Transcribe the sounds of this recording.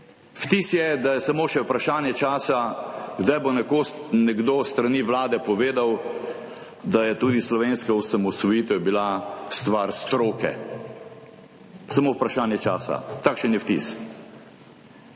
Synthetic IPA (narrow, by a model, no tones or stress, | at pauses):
ft̪isjɛd̪ajɛsamoːʃɛwpɾaʃaːnjɛt͡ʃaːsaɡd̪ajbonɛkonɛɡd̪oːst̪ɾaniːʋlaːd̪ɛpɔʋeːd̪aw | d̪ajɛt̪uːd̪islɔʋeːnskɔwsamɔsɔjiːt̪ɛwbilast̪ʋaɾst̪ɾoːkɛ̰ | samowpɾaʃaːnjɛt͡ʃaːsa̰t̪akʃɛnjɛft̪ḭs